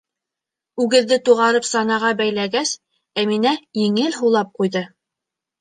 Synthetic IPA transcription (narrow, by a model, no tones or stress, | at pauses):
ʉɡɘ̆ðːɘt̪uʁɑɾɤpsɑnɑʁɑbæjlæɡæs | æminæjiŋɘlɦulˠɑp̚qujðɤ